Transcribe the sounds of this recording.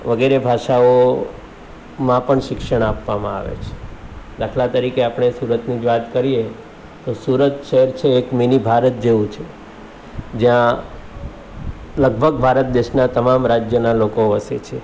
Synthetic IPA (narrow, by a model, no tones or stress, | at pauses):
ʋəɡeɾebʱaʃao | mãpəɳʃɪkʃəɳ̃apʋamã̰a̰ʋḛt͡ʃʰe̥d̪akʰlat̪əɾikeapɳ̃esuɾət̪nid͡ʒʋat̪kəɾije | t̪osuɾət̪ʃɛɦɛɾt͡ʃʰeːkminibʱaɾət̪̚d͡ʒeʋũt͡ʃʰe | d͡ʒjã | ləɡbʱəɡbʱaɾət̪̚d̪eʃnat̪əmamɾad͡ʒjənalokoəsḛt͡ʃʰe